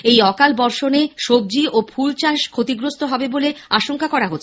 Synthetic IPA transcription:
ejɔkalbɔɾʃoneʃob̚d͡ʑiʔopʰult͡ɕaʃkʰot̪iɡɾost̪oɦɔbeboleaʃoŋkakɔɾaɦotːʰe

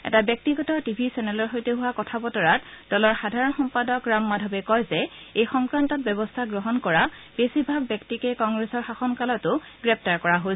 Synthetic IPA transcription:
ɛ̰tabjɔk̚tiɡɔtɔtibʱisɛnɛlɔɹxojteɦuwakɔtʰabɔtɔɹatd̥ɔlɔɹxadʱaɹɔnxɔmpadɔkɹamːadʱɔbɛkɔjzɛ | ejxɔŋkɹantɔt̚bɛbɔstʰaɡɹɔɦɔnkɔɹab̥esibʱaɡbjɛktikekɔŋɡɹesɔɹxaxɔnkalɔtʊ | ɡɹɛp̚ʰtaɹkɔɹaɦo

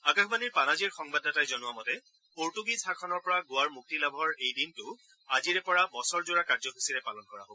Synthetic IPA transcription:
akaxʰbaniɹpanaziɹxɔŋbadatajzɔnʊamɔtɛ | poɹtuɡisakʰɔnɔɹpɔɹaɡʊwaɹmuk̚tilabʱɔɹejdintʊ | aziɹɛpɔɹabɔsɔɹzoɹakaɹzɔkʰisiɹɛpalɔnkɔɹa̰ɦobɔ

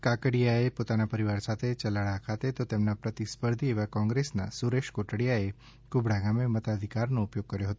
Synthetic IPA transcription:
kakəɽijaepot̪anapəɾiʋaɾsat̪ʰet͡ʃəlaɭakʰat̪et̪ot̪emnapɾət̪ispəɾd̪ʱieʋakɔ̃ŋɡɾesna̰suɾeʃkoʈɽijae | kʊbɽaɡamemət̪ad̪ʱikaɾnõʊpjoɡ̚kːəɾjoɦət̪õ

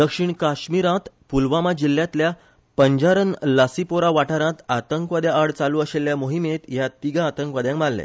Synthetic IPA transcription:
d̪əkʂiɳkaɕmiɾãt̪ | pulʋamad͡ʑilːjãt̪lja | pəɲd͡ʑaɾənlasipoɾaʋaʈaɾãt̪at̪əŋkʋad̪jaːɽt͡saluəɕeljamoɦimet̪jat̪iɡãːt̪əŋkʋad̪jãŋkmalːḛ̃

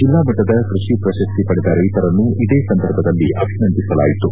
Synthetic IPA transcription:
d͡ʒilːaːmɐʈːɐd̪ɐkɾuʂipɾɐʃɐst̪ipɐɽɛd̪aːɾeit̪ɐɾɐnːuid̪eːsɐnd̪ʱɐɾbʱɐd̪ɐlːiʔɐbʱinɐnd̪isɐla̰ːjit̪u

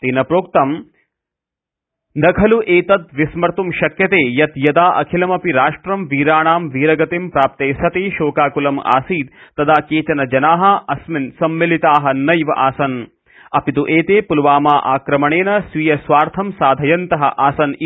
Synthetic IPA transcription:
t̪iːnɐpɾoːk̚t̪ɐm | d̪ɐkʰɐluʔeːt̪ɐt̪̚ʋismɐɾt̪umʃɐkjɐt̪eːjɐt̪jɐd̪aːʔɐkʰilɐmɐpiɾaːʂʈɾɐmʋiːɾaːɳaːmʋiːɾɐɡɐt̪impɾaːp̚t̪eːsɐt̪eːʃoːkaːkulɐma̰ːsiːt̪̚t̪ːɐd̪aːkeːt͡ʃ̪ɐnɐd͡ʒɐnaːɦɐɐsminsɐmːilit̪aːɦɐnɐjʋɐʔaːsɐn | ɐpit̪uʔeːt̪eːpulʋaːmaːʔaːkɾɐmɐɳeːnɐsʋijɐsʋaːɾt̪ʰɐmsaːd̪ʱɐjɐnt̪ɐɦɐ̰ʔaːsɐn

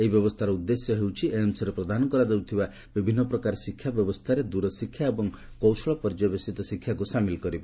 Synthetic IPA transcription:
eɦibjɔbɔst̪ʰaɾɔud̪ːesjɔɦewt͡ʃʰiʔeemsɔɾepɾɔd̪ʱanɔkɔɾad̪ewt̪ʰiba | bibʱinːɔpɾɔkaɾɔsikʰːjabjɔbɔst̪ʰaɾed̪uɾɔsikʰjaebɔŋ | kowsɔɭɔpɔɾd͡ʒɔbesit̪ɔsikʰːjakusamilɔkɔɾiba

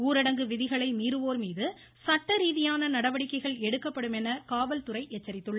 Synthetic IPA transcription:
uːɾɪɽɐŋɡɯʋɪðɪɣɐɭɐɪmiːɾɯʋoːɾmiːðɯ | sɐʈːɐɾiːðɪjaːnɐnɐɽɐʋɐɽɪkːɐɪɣɐɭɛɽɯkːɐpːɐɽɯmɛnɐkaːʋɐlt̪ʊɾɐɪʔɛt͡ʃːɐɾɪt̪ːɯɭːɐ

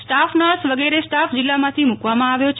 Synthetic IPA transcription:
sʈafnəɭsʋəɡeɾesʈafd͡ʒɪlːamãt̪ʰimukʋamãaʋjot͡ʃʰ

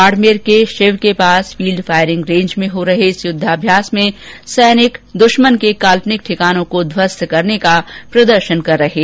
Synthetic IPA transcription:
aːɖmeːɾkeʃeʋkepaːsfiːlɖfaːɪɾɪ̃ŋɡɾẽːɲd͡ʒmẽɦoɾɐɦeɪsjʊd̪ʱːaːbʱjaːsmẽsɛːnɪkd̪ʊʃmənkekaːlpnɪk̚ʈʰɪkaːnõkod̪ʱwəst̪kɐɾnekapɾɐd̪əɾʃənkɐɾːɐɦeː

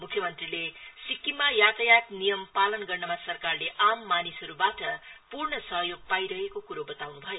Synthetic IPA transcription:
mukʰjʌmʌnt̪rilesikːimajat̪ʌjak̪nijʌmpalʌnɡʌrnʌmasʌrkarleʔamːanisɦʌɾubaʈʌpurɳʌsʌɦjoɡ̚pajɾʌɦekokuɾobʌt̪awnubʱʌjo

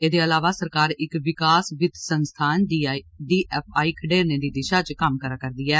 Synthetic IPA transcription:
eːd̪eːəlaːʋaːsəɾkaːɾɪkʋɪkaːsʋɪd̪sənst̪ʰaːnɖ̪iɖiːʔɛːpʰaːiːkʰəɖeːɾnẽːd̪iːd̪ɪʃaːt͡ʃkəmkəɾaːkəɾd̪iːɛː

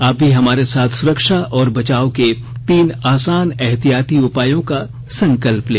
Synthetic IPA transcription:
aːp̚bʱiɦɐmaːɾesaːt̪ʰsʊɾəkʃaʔɔːɾbɐt͡ʃaːoke | t̪iːnaːsaːnɛɦt̪ijaːt̪iʊpaːjõka | sɐ̃ŋkəlpleː

